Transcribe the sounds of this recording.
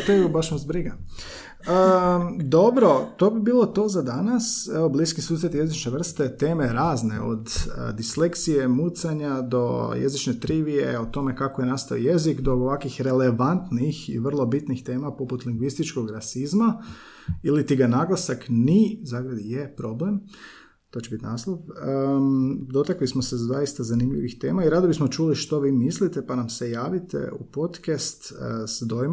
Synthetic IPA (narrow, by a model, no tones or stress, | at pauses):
t̪ojbaʃmozbɾiɡa | əd̪o̞bɾo̞t̪o̞ːbibiːlˠo̞t̪o̞ːzad̪anaseʋo̞bliskisuːsɾet̪je̞zit͡ʃneʋr̩st̪e̞t̪eːme̞ɾaːzne̞̰o̞̰d̪̰d̪isle̞k̪sije̞mut̪saɲad̪o̞̰jezit͡ʃnet̪ɾiʋijḛot̪o̞me̞kakojenast̪ao̰je̞zikd̪oɡoʋakʋixɾe̞le̞ʋant̪nixḭʋr̩lˠo̞bit̪nixt̪e̞ːmapo̞put̪liŋɡʋist̪it͡ʃko̞ɡɾasizma | ilit̪iɡanaɡlˠasaknizaɡɾad̪ijepɾo̞ble̞m | t̪o̞t͡ɕe̞bit̪naːslˠoʋ | d̪o̞t̪aklismo̞sezajist̪azanimʎḭʋixt̪e̞ːmaiɾad̪obismo̞t͡ʃuliʃt̪o̞ʋiːmislit̪epanamse̞jaːʋit̪ḛupo̞t̪kest̪sd̪ojm